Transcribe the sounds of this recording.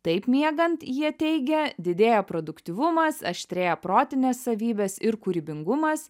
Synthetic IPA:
t̪ɐɪpmʲiɛɡɐnt̪jiɛt̪ʲɛɪɡʲɛd̪ʲɪd̪ʲeːjoːpɾod̪ʊkt̪ʲiʋʊmɐsɐʃʲt̪ʲɾʲeːjoːpɾoːt̪ʲɪnʲeːsːɐʋʲiːbʲɛsɪɾkuɾʲɪbʲɪŋɡʊmɐs

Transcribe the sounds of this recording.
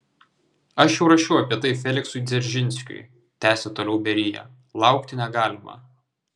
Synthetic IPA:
ɐʃjɛʊɾɐʃʲɛʊɐpʲiɛt̪ɐɪfʲɛlʲɪksʊɪd̪zʲɛɾʲʒʲɪnʲsʲkʲʊ̰j | t̪ʲæːsʲɛt̪oːlʲɛʊbʲɛɾʲɪjɛ̰ː | lˠɑˑʊkt̪ʲɪnʲɛɡɑːlʲɪmɑ̰

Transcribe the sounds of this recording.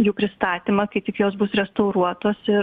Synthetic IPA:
juːpʲɾʲɪst̪ɑːt̪ʲiːmɐkɐɪt̪ʲɪkjoːsbʊsɾʲɛst̪ɐʊɾuɔt̪oːsɪ

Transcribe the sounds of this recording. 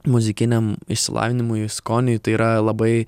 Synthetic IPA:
mʊzʲɪkʲɪnʲɛmɪʃʲsʲɪlˠɑ̰ːʋʲɪnʲɪmʊjʊskoːnʲɪjʊt̪ɐɪiɾɐlˠɐbɐɪ

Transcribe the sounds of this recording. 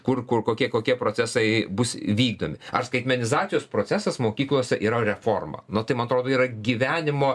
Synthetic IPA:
kʊrkʊrkoːkʲiɛkoːkʲiɛpɾoːt͡ssʲæsɐɪbʊsʋʲiːɡ̚d̪oːmʲɪɐrskɐɪt̪ʲmʲɛnʲɪzɑːt͡s̪ʲɪjoːspɾoːt͡ssʲæsɐsmoːkʲiːklˠuɔsʲɛʔiːɾɐɾʲɛfoːrmɐ̰nʊt̪ɐɪmɐnɐt̪ɾoːd̪oːiːɾɐɡʲiʋʲæːnʲɪmoː

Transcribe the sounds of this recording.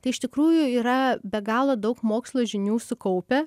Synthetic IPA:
t̪ɐɪɪʃt̪ʲɪkɾuːjʊiːɾɐbʲɛɡɑːlˠod̪ɐʊkmoːkslˠoːʒʲɪnʲuːsʊkɐʊpʲɛ

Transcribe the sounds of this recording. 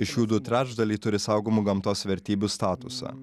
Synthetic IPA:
ɪʃjuːd̪ʊt̪ʲɾʲæːd͡ʒd̪ɐlʲiːt̪ʊɾʲɪsɐʊɡoːmuɡɐmt̪oːsʋʲɛɾʲt̪ʲiːbʲust̪ɑːt̪ʊsɑ̰

